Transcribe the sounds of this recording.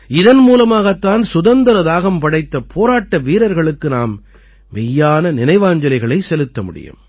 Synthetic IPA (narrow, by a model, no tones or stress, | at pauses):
ɪðɐnmuːlɐmaːɣɐt̪ːaːnsʊðɐnd̪ɐɾɐðaːɣɐmpɐɽɐɪt̪ːɐpʰːoːɾaːʈːɐʋiːɾɐɾɣɐɭɯkːɯnaːm | ʋɛjːaːnɐnɪnɐɪʋaːɲd͡ʒɐlɐɪɣɐɭɐɪsɛlɯt̪ːɐmʊɽɪ̰jɯ̰m